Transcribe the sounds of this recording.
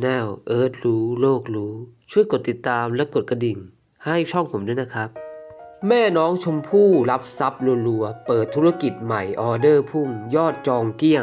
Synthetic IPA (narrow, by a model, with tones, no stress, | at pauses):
nɛː˧˥˩wʔɤː˦˥˩t̪̚ɾuː˦˥loː˥˩k̚ɾuː˦˥t͡ɕʰu˥˩əjko˨˩t̪ːi˨˩t̪ːaː˧mlɛː˦˥˩ko˨˩t̪̚ka˧di˨˩ŋ | ha˥˩jt͡ɕʰɔ˥˩ŋpʰo˨˦mdɯː˧˥˦na˦˧˥kʰa˦˥p̚mɛː˥˩nɔː˦˥ŋt͡ɕʰo˧mpʰuː˥˩la˦˥p̚sa˦˥p̚lo˧nlu˧ɐpɤː˨˩t̪ʰːu˦˥a˧˥˧ki˨˩t̪̚ma˨˩jʔɔː˧dɤː˥˩pʰuː˥˩mjɔː˥˩t̪̚t͡ɕɔː˧ŋki˥˩ə